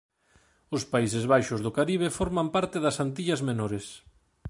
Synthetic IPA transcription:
ʊspaisɪzβajʃʊzðʊkaɾiβ̞efoɾmampaɾt̪ɪðɐsant̪iʎɐzmenoɾes

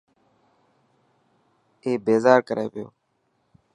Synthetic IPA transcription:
eːbeːzaːɾkəɾʔḛːʋɪjo̰ː

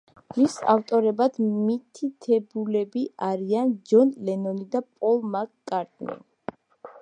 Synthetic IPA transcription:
misa̰ft̪ʼɔɾɛbad̪̥mit̪ʰit̪ʰɛbulɛbiaɾiand͡ʒɔnlɛnɔnid̪apʼɔlˠmakːʼaɾt̪ʼnḭ

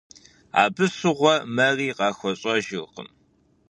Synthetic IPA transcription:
a̰ːbɨsɨʁʷɔmɐriːqɑːxʷɔɕʼɐʒɪrqə̰m

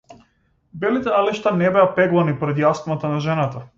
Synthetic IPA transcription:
bɛlit̪ɛaliʃt̪anɛbɛapɛɡlˠanipɔɾɛd̪jasmat̪anaʒɛnat̪a

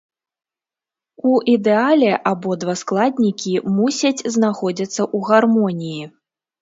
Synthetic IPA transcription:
uʔid̪ɛalʲɛʔabɔd̪vasklˠad̪ʲnʲikʲimusʲɐt͡sʲznaxɔd͡zʲɐt̪sːɐʔuɣarmɔnʲiji

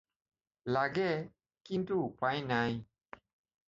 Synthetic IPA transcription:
laɡɛ | kintuk͡pãinãi

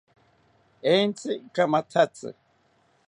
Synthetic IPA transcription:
ent͡sʰʼikamat̪ʰat͡sʼɨ̰

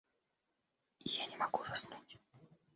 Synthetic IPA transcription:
ijanʲɛmaɡuzasnutʲ

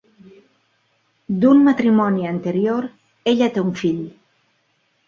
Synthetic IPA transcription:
d̪unmat̪ɾimɔniant̪eɾjoɾ | eʎat̪euɱfiʎ

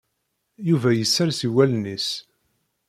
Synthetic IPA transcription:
juvæjəsːaɾsiwælnis

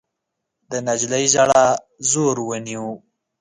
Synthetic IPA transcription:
d̪ənad͡ʒlajʒaɽa | zoɾwəniwu

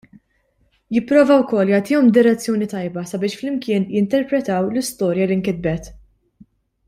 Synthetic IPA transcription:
jɪpːɾɔːvɐwkɔːlːjɐːt̪iːjɔmd̪ɪɾɛt͡sːjɔːnit̪ɐjbɐsɐbɪːʃflɪmkɪːnjɪnt̪ɛɾpɾɛt̪ɐwlɪst̪ɔːɾjɐliŋkɪd̪̚bɛt̪

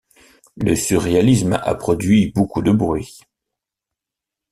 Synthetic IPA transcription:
ləsyʁealisma̰pχɔd̪ɥibokud̪əbʁɥi

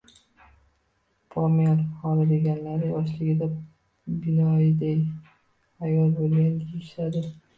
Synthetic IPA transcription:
pʰɒmiaɾhɒlɪd̪e̞ɡʲanlaɾɪɒʃlɪɡʲɪd̪a | bɪnɒɪd̪aj | hajɒlbolˠɡʲanʰijɪʃad̪ɪ

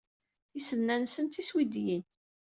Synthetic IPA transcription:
θisənːænsənt̪iswid̪jin

